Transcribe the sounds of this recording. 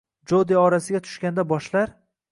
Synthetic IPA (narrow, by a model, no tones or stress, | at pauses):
d͡ʒod̪eɒɾasɪɡʲat̪ʰʊ̥ʃkʲand̪abɒʃlaɾ